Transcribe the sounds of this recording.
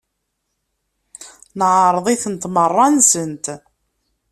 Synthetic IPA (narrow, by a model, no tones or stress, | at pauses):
nʕəɾˤðˤiθənt̪mərˤːɑnsənt̪